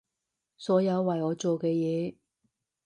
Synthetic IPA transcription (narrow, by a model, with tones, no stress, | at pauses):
sɔː˨˥jɐ˨˧wːɐ˨jɔː˨˧t͡so˨wkɛː˧jɛː˨˧